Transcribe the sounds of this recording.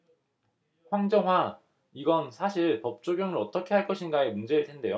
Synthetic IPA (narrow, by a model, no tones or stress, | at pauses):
ɸwaŋd͡ʑʌŋɦwa | iɡʌnsʰaɕʰiɭpʌp̚t͡ɕ͈oɡjʌŋɯɾʌt͈ʌkʰe̞ɦaɭk͈ʌɕʰinɡaemund͡ʑe̞ɾɯɭtʰende̞jo